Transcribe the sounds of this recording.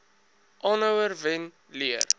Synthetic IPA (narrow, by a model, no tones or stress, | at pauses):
ʔɑːnəwərvɛn | liər